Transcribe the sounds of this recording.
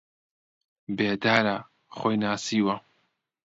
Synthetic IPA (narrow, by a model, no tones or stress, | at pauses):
beːd̪aːɾa | χoːjnaːsiːwɐ